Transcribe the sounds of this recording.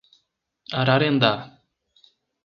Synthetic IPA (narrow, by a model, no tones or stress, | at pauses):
aɾaɾend̪a